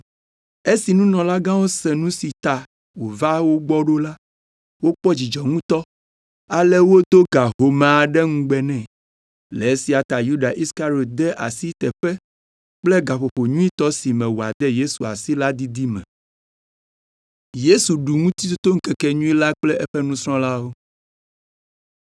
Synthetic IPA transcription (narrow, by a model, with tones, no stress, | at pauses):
e˦si˨nũ˦nɔ̃˨la˦ɡã˦wo˦sɛ˨nũ˦si˨t̪a˨ | wo˨va˦wo˦ɡ͡bɔ˦ɖo˦la˦ | wo˦k͡pɔ˦d͡ʑi˨d͡ʒɔ˨ŋũ˦t̪ɔ˦ | a˨lɛ˦wo˦d̪o˦ɡa˨ɦo˨mã˨a˨ɖɛ˦ŋũ˦ɡ͡bɛ˨nɛ̃˨ | lɛ˨e˦si˨a˨t̪a˨ju˦ɖa˨ʔi˦ska˦ɾi˨o˨t̪̚d̪ɛ˦ʔa̰˨si˦t̪ɛ˨ɸɛ˦ | k͡plɛ˦ɡa˨ɸo˨ɸo˨ɲũ˦i˦t̪ɔ˦si˨mɛ̃˨wo˨a˨d̪ɛ˦je˦su˨a̰˨si˦la˦d̪i˦d̪i˦mɛ̰̃˨ | je˦su˨ɖu˨ŋũ˦t̪i˦t̪u˦t̪o˦ŋ̩˦kɛ˨kɛ˨ɲũ˦i˦la˦k͡plɛ˦ʔɛ˦ɸɛ˦nũ˦sɾ̃ɔ̃˦la˦wo˦